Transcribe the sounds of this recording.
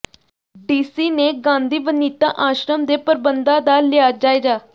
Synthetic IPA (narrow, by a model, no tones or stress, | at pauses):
ɖiːsiːneːɡãːnd̪ʱiːbəniːt̪ãʔaːʃɾəmd̪eːpəɾbənd̪ãːd̪aːlɪaːd͡ʒaːed͡ʒaː